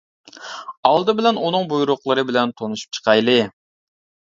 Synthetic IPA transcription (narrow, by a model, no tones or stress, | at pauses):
ɑlˠd̪ɨbɪlɛnunɨŋbujuɾʊqlˠɨɾɨbɪlɛnt̪ʰonuʃu̥p̚t͡ʃʰə̥qʰɑjlˠɨ